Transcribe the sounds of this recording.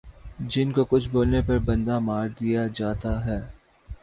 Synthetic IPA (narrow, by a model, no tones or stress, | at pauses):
d͡ʒɪnkokʊt͡ʃʰboːlnepɐɾbɐ̃nd̪amaːɾd̪ijad͡ʒaːt̪aɦɛː